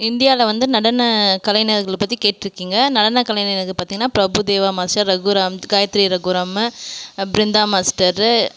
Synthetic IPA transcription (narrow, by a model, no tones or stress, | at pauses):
ɪnɖ̪ɪjaːlɐʋɐnd̪ɯnɐɽɐnːɐkɐlɐjnɐɾɣɐɭpɐt̪ːikeːʈːɪɾɯkːiːŋɡɐnɐɽɐnːɐkɐlɐjnnɐkːɯpaːɾt̪iŋɐnːaːpɾɐbud̪eːʋaːmaːsʈɐɾːɐɡʊɾaːmɡaːjɐt̪ɾiɾɐɡʊɾaːm | bɪɾɪnd̪aːmaːsʈɐɾ